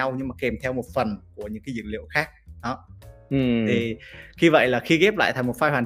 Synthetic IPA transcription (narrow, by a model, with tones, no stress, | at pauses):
a˧wɲɨ˧ŋmaː˨˩kɛ˨˩mt̪ʰɛ˧wmo˨˩t̚fə˨˩nku˧˩əɲɨ̰˧˥ŋkaː˨˦zɨ̰˧˨˩ŋlḭ˧˨ə˨wxaː˦˥k̚ɗɔ˨˦˨ | t̪ʰi˨˩xi˧və̰˧˨jlaː˨˩xi˧ɣɛ˦˥p̚la̰ː˧˨jt̪ʰŋmo˨˩fa˧jhwaː˨˩